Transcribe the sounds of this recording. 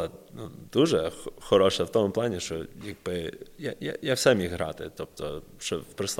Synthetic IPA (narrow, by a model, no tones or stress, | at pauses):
ɐnud̪uʒɛxɔxɔɾɔʃɐwt̪ɔmʊplˠɑnʲiʃt͡ʃɔjaɡ̚bɪjajajawsɛmʲixɦɾɑ̰t̪ɪt̪ɔp̚t̪ɔ̰ʃt͡ʃɔwpɾɪsˠ